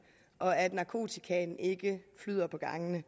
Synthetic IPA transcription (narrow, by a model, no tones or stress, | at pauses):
ʔɒ̽æd̥nɑ̈kʰo̝̰ːt͡sʰikʰɛn̩e̝ɡ̥əflyð̰ˠɐpʰɒ̽ɡ̥ɑ̈ŋənə